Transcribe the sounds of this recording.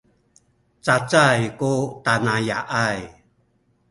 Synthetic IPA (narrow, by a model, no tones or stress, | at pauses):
t͡sat͡sajkutanaja̰ʔaj